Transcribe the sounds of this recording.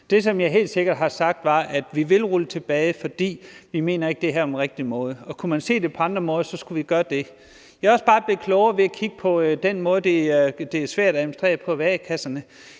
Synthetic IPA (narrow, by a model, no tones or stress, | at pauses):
d̥e̝sɒ̽mjɑ̈ɪɦe̝̰ːld̥se̝ɡ̥ɐd̥ɦɑ̈sɑ̈ɡ̥̚d̥ʋɑ̈ʔæd̥ʋiʋe̝lʁulət͡sʰe̝b̥ɛːɪfɒ̽d̥ḭːʋime̝ːnɐe̝ɡ̥̚d̥e̝ɦæɐ̰ɒmenʁeɡ̥̚d̥imɔ̽ːð̞ˠəɒ̽kʰumænse̝̰ːd̥e̝pʰɒ̽ɑ̈nd̥ʁɐmɔ̽ːð̞ˠsɒ̽sɡ̥uʋiɡ̥ɶːɐd̥e̝ | jɑɒ̽sb̥ɑ̈ːb̥le̝kʰlɔʊɐʋe̝ækʰiɡ̥əpʰɒ̽d̥enmɔ̽ːðˠəd̥e̝d̥e̝æɐsʋæɐ̰ɾ̥æemn̩sd̥ʁḛːɐpʰɒ̽ʋækʰæsɐnə